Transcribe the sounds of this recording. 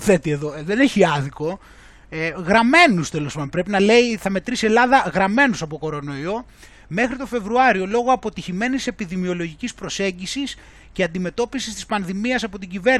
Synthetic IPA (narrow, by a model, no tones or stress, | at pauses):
θe̞t̪ie̞ðo̞ðe̞neçiɐðiko̞ | ɣɾɐme̞nust̪elo̞spɐmpɾe̞pinɐle̞iθɐme̞t̪ɾise̞lɐðɐɣɾɐme̞nusɐpoko̞ɾo̞no̞io̞ | me̞xɾit̪o̞fe̞vɾuɐɾio̞lo̞ɣoɐpo̞t̪içime̞nise̞piðimio̞lo̞ʝicispɾo̞se̞ɲɟisis | ce̞ɐnd̪ime̞t̪o̞pisist̪ispɐnðimiɐsɐpo̞t̪iɲɟive̞ɾ